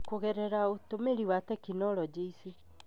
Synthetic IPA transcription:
koɣɛɾɛɾaotomeɾiwatɛkinɔɾɔd͡ʒeise

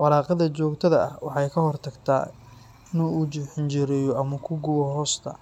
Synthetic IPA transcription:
wɑɾɑːqɑðɐt͡ʃɔːɡt̪ʰɐðɐʔɐ̰hwɑħɑjkʰɐɦhɔrt̪ʰɐɡt̪ʰa̰ː | ɪnuːut͡ʃɪħɪnt͡ʃɪɾɛjɔʔɐmɐkʰʊɡʊwɐɦɔːst̪ʰɐ̰

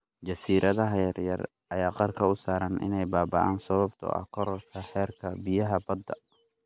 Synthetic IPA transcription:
d͡ʒɐsiːɾʔɐðɐɦɐjɐrjɐr | ʔɐjaːqɑrkʰɐʊsaːɾɐnʔɪ̰nɛjbaːbɐ̰ʔaːnsɐβɐbt̪ʰɔ̰ʔɐ̰kʰɔɾlkʰɐħɛːrkʰɐbɪjɐɦɐbɐd̪ːɐ̰

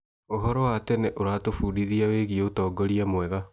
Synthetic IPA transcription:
oɦɔɾɔwatɛnɛʔoɾatofuːɾiðiaweɣiɛotɔːɡɔɾiamwɛɣa

